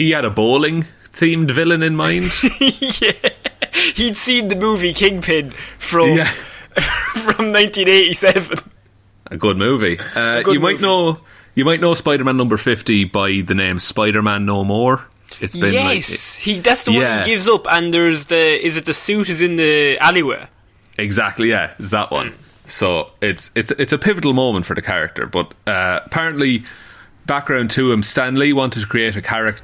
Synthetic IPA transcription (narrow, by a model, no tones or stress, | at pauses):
hiəɾəboːlɪ̃ŋ | θĩːmdvɪlə̃nɪ̃nmãɪ̃nd̥jæ | hid̥sĩːnðəmuːvikʰɪ̃ŋpʰɪ̃nfɹʌ̃mjæ | fɹə̃mnãɪ̃ntĩneɪɾisɛvə̃n | ʔə̰ɡʊd̚muːviʌɡʊjəmaɪnoʊ | jəmaɪtʔⁿnoʊspaɪɾə˞mãnːʌ̃mbə˞fɪftibaɪðənẽɪ̃mspaɪɾə˞mãnːoʊmɔːɹ | ɪtsjb̥ɪ̃ɛshiðatsðəjæɡɪvzʊpə̃nðə˞zðəɪzɪt̪̚ðəsʉːˑɾɪzɪ̃nðialiwḛː | ɪɡzak̚tˡlijæɪtsðəʔwʔʌ̰̃n | soʊɪtsɪtsɪtsəpʰɪvəɾl̩ˠmõʊ̃mə̃ntfə˞ðəkʰaɹɪ̰k̚tʰə̰˞b̥ʌɾʌəpʰaɹə̃nʔli | b̥ak̚ɡ̥ɹãʊ̃ntʰuːə̃mstãnliwɑ̃ntɪd̚tʰə̥kʰɹ̥ieɪɾəkʰaɹɪk̚t